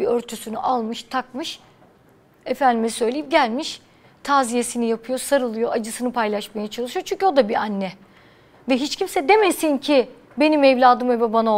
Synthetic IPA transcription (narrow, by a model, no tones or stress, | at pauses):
iøɾt̪ʰysynyʔalˠmɯʃt̪ʰak̚mɯʃ | efænd̪imsø̞jlʲeip̚ɟælʲmiʃ | t̪ʰaːzije̞sinijapʰɯjo̞saɾɯlˠɯjo̞ad͡ʒɯsɯnɯpʰajlˠaʃmajat͡ʃʰalˠɯʃɯjo̞t͡ʃʰyɲcʰʲyo̞d̪abianːɛ | vɛɦit͡ʃcʰimsɛd̪e̞mesincʰi | be̞nimevlʲaːd̪ɯmvɛbabano